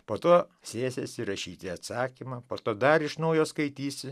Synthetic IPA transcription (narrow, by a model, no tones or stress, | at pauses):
poːt̪oː | sʲeːsʲḛsʲɪɾɐʃʲiːt̪ʲɪɐt̪sɑːkʲimɐːpoːt̪oːd̪ɐɾɪʃnɐʊjoːskɐɪt̪ʲiːsʲɪ